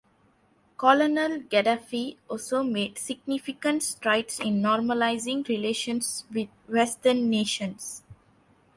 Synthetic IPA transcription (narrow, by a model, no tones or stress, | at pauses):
kɔlonəlɡɛɖafiɔlsomeːɖsiɡ̚nifikə̃nʈsʈɾaɪʈsɪ̃nːɔːɾməlaɪzĩŋɾileːʃə̃nsʋid̪̚wɛsʈənːeːʃə̃ns